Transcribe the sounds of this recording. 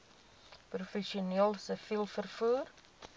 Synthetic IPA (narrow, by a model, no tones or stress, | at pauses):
prufɛʃiuniːlˠsəfilˠfərfuːr